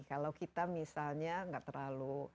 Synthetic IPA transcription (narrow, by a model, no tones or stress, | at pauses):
kalawkit̪amisalɲaŋɡaʔt̪ərlalu